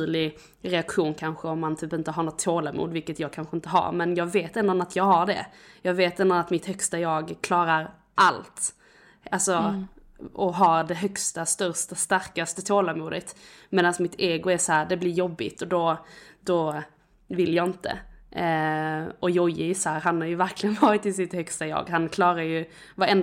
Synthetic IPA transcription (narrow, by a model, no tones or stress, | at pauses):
lɪ | ɾɛakɧuːnkʰanɧəɔmːant̪ʰyːpɪnt̪əɦaɾɳɔt̪ʰːoːlamṵːd̪vɪlkət̪jɑːɡ̚kʰanɧəɪnt̪əɦa̰ɾmɛnjɑːɡveːt̪ɛnd̪ɾɔnat̪ʰjɑːɡɦaɖɛ̰jɑːɡveːt̪ɛnd̪ɾɔnat̪mɪt̪hœkst̪ajɑːɡkʰlɑːɾaɾ | ʔalt̪ | ʔalsɔ | ɔɦɑdɛɦœkst̪ast̪œɾst̪ast̪aɾkast̪ət̪ʰoːlamuːd̪ət̪meːd̪ansmɪt̪eːɡʊɛsɔhæːɾɖɛblɪɾjɔbːɪ̰t̪ɔd̪ɔd̪̥ɔ | vɪljɑːɪnt̪ə̰ | ɔjɔjɪɪsɔhæːɾɦanhaɾjɵvæɾklɪɡənvɑːɾɪt̪ɪsɪt̪hœkst̪ajɑ̰ːɡɦankʰlɑːɾajɵ | vaɾɛnd̪